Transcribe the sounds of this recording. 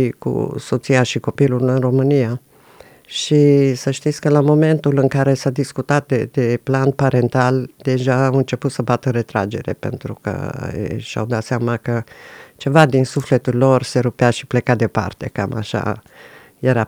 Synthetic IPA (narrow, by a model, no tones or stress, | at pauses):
ikṵso̞t̪siaʃiko̞pilulɨnro̞mɨnija | ʃisəʃt̪it̪sʲkəlamo̞me̞nt̪ulɨŋkaɾe̞sad̪iskut̪at̪̚d̪ed̪e̞planpaɾe̞nt̪ald̪e̞ʒaːwɨnt͡ʃe̞put̪səbat̪əɾe̞t̪ɾad͡ʒe̞̰ɾe̞̰pe̞̰nt̪ɾukə̰ḛʃa̰wd̪at̪seamakət͡ʃe̞vad̪insufle̞t̪ullo̞rse̞ɾupeaʃiple̞kad̪e̞pa̰rt̪e̞̰ka̰ma̰ʃa̰ | je̞ɾa